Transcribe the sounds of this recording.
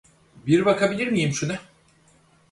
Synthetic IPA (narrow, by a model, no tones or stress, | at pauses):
biɾbakʰabilʲiɾmijimʃunɛ